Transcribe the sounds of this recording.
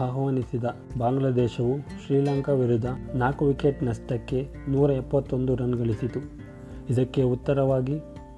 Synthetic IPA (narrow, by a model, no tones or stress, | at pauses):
aːɦɐʋaːnisid̪ɐ | baːŋɡlad̪ɛːʃɐʋuʃɾiːlɐŋkɐʋiɾud̪ʱːɐnaːkuʋikeʈnɐst̪ɐkːe̞ | nuːɾɐɛpːɐt̪ːo̞nd̪uɾɐnɡɐɭisit̪u | id̪ɐkːe̞ut̪ːɐɾɐʋaːɡi